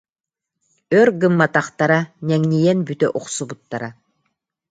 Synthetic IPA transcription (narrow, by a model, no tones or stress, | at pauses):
œɾɡɯmːat̪aχt̪aɾanʲɛŋnʲijɛnbyt̪œʔuqsubut̪ːaɾa